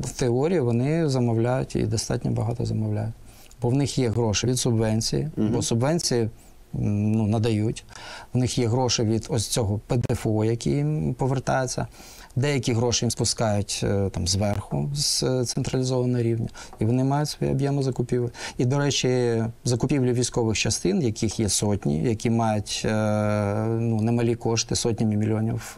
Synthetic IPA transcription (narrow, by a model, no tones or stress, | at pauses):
t̪eɔɾʲijiʋɔnɪzɐmɔwlʲajʊtʲḭd̪ɔst̪ɑtʲnʲɔbɐɦɑt̪ɔ̰zɐmɔwlʲa̰jʊt̚ʲ | bɔwnɪxjɛɦɾɔʃɪʋʲid̪sʊbʋɛnʲt͡sʲḭjḭbɔsʊbʋɛnʲt͡sʲiji | nunɐd̪ɐjutʲwnɪxjɛɦɾɔʃɪʋʲid̪ɔsʲt͡sʲɔɦɔped̪efɔʊjɐkʲijimpɔʋert̪ɑ̰jet͡sʲːɐ̰ | d̪ɛjɐkʲiɦɾɔʃɪjimspʊskɑjʊtʲt̪ɑmzʋɛrxʊzt̪sent̪ɾɐlʲɪzɔʋɐnɔɦɔɾʲiwnʲɐiʋɔnɪmɑjʊtʲsʋɔjḭɐbʲjɛmɪzɐkʊpʲiʋɪid̪ɔɾɛt͡ʃʲizɐkʊpʲiwlʲʊʋʲijsʲkɔʋɪxt͡ʃɐst̪ɪnjɐkʲixjɛsɔtʲnʲḭjɐkʲimɑjʊtʲ | nunemɐlʲikɔʃt̪ɪsɔt̚ʲnʲɐmʲimʲilʲɔnʲḭw